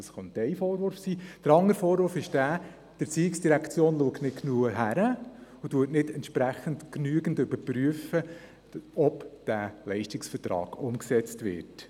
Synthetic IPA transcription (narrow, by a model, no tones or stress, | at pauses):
ɑsχɔntɛɪfoːɾʋʊɾfsiːd̥əɾɑŋəɾfoːɾʋʊɾfɪʃd̥æː | d̥ət͡siːɪksd̥iɾækʰt͡sjoːnluəktnɪtknuəɦæɾəʊtuətnɪdɛntʃpɾæχəntknyəɡəndʏbəɾpryəfə | ɔpd̥ælɛɪʃtɪksfəɾtɾɑ̰ːɡ̥ʊmksɛt͡stʋɪ̰ːɾt